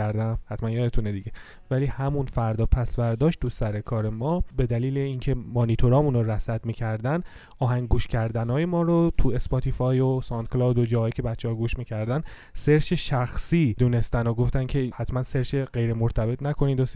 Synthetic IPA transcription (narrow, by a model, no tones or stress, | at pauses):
æɾd̪æmhæt̪mænjɒːd̪et̪ʰuned̪iɟe̞ | væliːhæmunfæɾd̪ɒːpʰæsvæɾd̪ɒːʃt̪̚t̪usæɾe̞kʰɒːɾe̞mɒːbe̞d̪æliːleiːncʰe̞monit̪ʰoɾɒːmuːnoɾæsæd̪miːcʰæɾd̪æn | ɒːɦæŋɡuːʃcʰæɾd̪ænɒːje̞mɒːɾot̪ʰue̞sbɒt̪ʰifɒːjosɒnt̪̚klɒːd̪od͡ʒɒːhɒːjicʰe̞bæt̪t͡ʃʰːehɒːɡuːʃmiːcʰæɾd̪æn | se̞ɾʃeʃæxsiːd̪uːne̞st̪ænoɡo̞ft̪æncʰe̞hæt̪ʰmænse̞ɾʃeɢe̞jɾemoɾt̪ʰæbe̞t̪ʰnækʰo̞niːd̪os